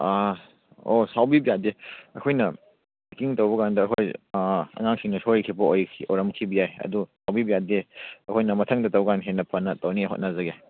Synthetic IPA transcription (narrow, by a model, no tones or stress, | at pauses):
a | osawbibijadeɐkʰojnɐ | kiŋtɐwbɐkandɐːkʰojɐ̰ŋaŋkʰiŋnɐsojkʰibɐojkʰiʔoɾɐmkʰibijajɐ̰dusawbibijadeɐkʰojnɐmɐtʰɐŋdɐtɐwɡanɦenːɐpʰɐnɐtɐwniɦo̰t̚nɐzɐɡe